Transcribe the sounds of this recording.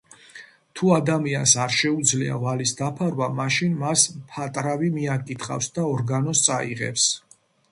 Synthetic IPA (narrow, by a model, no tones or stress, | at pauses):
t̪ʰuad̪amiansaɾʃɛud̪zlia̰valisd̪apʰaɾwamaʃinmaspʰat̪ʼɾavimiakʼit̪ʰχa̰fsd̪aɔɾɡanɔst̪sʼaḭʁɛ̰ps